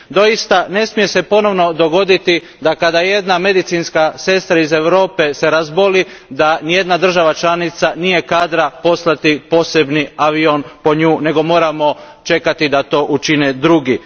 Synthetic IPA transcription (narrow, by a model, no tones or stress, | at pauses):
d̪o̞jist̪ane̞smije̞se̞po̞no̞ʋno̞d̪o̞ɡo̞d̪it̪i | d̪akad̪aje̞d̪name̞d̪it̪sinskase̞st̪ɾaize̞ʋɾo̞ːpe̞se̞ɾazbo̞lid̪anije̞d̪nad̪r̩ʒaʋat͡ʃlanit̪sanije̞kaːd̪ɾapo̞slˠat̪ipo̞se̞bniaʋio̞npo̞ɲuːne̞ɡo̞mo̞ːɾamo̞ | t͡ʃe̞kat̪id̪at̪o̞ːʔut͡ʃined̪ɾuɡi